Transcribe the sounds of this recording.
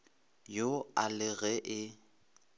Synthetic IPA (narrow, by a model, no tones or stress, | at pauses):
joalɪɣɛʔɪ